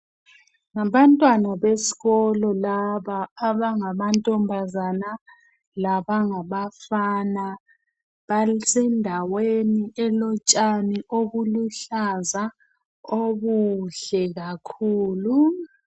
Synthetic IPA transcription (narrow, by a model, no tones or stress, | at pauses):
ŋaβantʼwanaβesi̥ɣɔlɔlaβaːβaŋamantʼɔmbʱazana | laβaŋaβafaːna | βasɛndʱaweniʔɛlɔt͡ʃʼaniʔoɣuluɬaza | oβuɬɛɣakʰuːlu